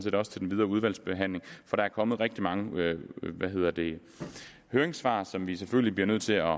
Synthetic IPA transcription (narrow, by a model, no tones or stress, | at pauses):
n̩se̝ːdɒ̽sə̥t͡sʰe̝d̥en̩ʋið̞ˠɐːuð̞ˠʋæl̰sb̥e̝ɦæn̰le̝ŋfɒ̽ɾ̥ɑ̈æɐkʰɒ̽məð̞̩ˠʁeɡ̥̚d̥imɑ̈ŋə | ʋæɦe̝ð̰ˠɐd̥e̝ | høːeŋsʋɑ̰̈ːsɒ̽mʋiseføllib̥liɐnøð̞̰ˠt͡sʰe̝lɒ̽